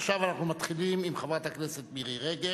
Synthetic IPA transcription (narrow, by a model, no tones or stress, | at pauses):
χʃavanaχnumat̪χilimimχavat̪haknese̞t̪̚biʁiʁeɡe